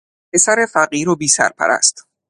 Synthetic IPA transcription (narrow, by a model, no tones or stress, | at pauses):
pʰe̞sæɾefæɢiːɾobiːsæ̰ɾpʰæ̰ɾʔæ̰st̪